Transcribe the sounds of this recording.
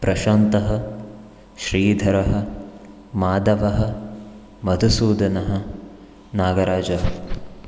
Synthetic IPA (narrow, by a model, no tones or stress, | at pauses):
pɾɐʃant̪ɐɦɐ̆ | ʃɾiːd̪ʱɐɾɐɦɐ̆ | maːd̪ɐʋɐɦɐ̆ | mɐd̪ʱusuːd̪ɐnɐɦɐ̆ | naːɡɐɾaːd͡ʒɐɦɐ